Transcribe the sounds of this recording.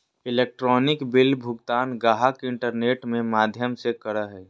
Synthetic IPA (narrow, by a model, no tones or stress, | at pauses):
ɪleːk̚ʈɾɔːnɪkbɪlbʱʊɡt̪aːnɡaːɦakeɪ̃ɳʈəɾneːʈmẽmaːd̪ʱjəmsekəɾəɦɛː